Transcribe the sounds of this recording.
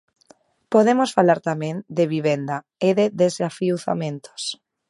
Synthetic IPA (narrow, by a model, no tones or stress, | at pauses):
poðemosfalaɾt̪amẽŋd̪eβiβend̪a | eðeðesafiwθa̰mẽnt̪ʰo̥s